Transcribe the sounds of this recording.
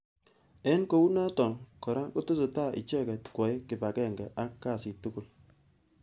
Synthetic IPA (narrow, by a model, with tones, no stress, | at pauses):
ɛ˦nko˦u˦na˦tɔ˨ŋkɔ˨ɾa˦kɔ˦tʊ˦sʊ˨ta˦˨ʔɪ̰˨t͡ʃɛ˦˨kɛ˨tkwɔ˨ɪ˦kɪ˨pa˨kɛ˦˨ŋɡɛ˨ʔa˦kːa˦˨si˨tu˦ku˦˨l